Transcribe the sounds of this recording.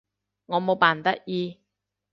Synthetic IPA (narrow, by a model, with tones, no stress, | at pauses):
ŋɔː˨˧mo˨˧wpaː˨˩nt̪ɐ˥ʔ̚jiː˧